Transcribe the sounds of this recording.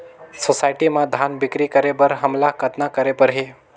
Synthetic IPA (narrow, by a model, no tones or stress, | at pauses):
sosajʈimãd̪ʱanbɪkɾikəɾebəɾɦəmlakət̪nakəɾepəɾɦi